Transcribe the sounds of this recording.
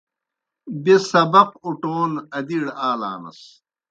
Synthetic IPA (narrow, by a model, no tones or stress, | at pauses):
besɐbɐquʈoːnɐd̪iɽaːla̰ːnɐ̰s